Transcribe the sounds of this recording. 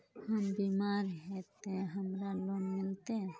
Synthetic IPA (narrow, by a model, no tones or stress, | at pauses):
hambimaɾɦɛt̪ɛɦamɾalɔnmilt̪ɛ